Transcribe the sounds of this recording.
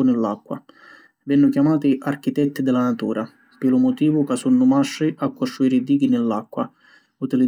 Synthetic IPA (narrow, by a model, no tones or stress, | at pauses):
ʊnɪlːakːwa̰ | vɛnːʊkjamaːt̪iʔark̟it̪ɛt̪ːid̪ɪlanat̪uːɾʔa | pɪlʊmʊt̪iːvʊkasunːʊmaʃːiʔakːost̪ɾuiːɾid̪iːɡinɪlːakːwa | ut̪ili